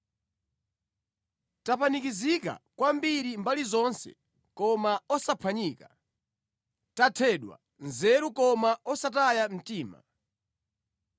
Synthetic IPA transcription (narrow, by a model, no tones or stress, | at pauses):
tapanikizika̰kwambiɾimbalizɔnsɛ̰ | kɔmaɔsapʰaɲiːka | tatʰɛɗwa̰ | nzɛɾukɔmaɔsatajam̩tiːma̰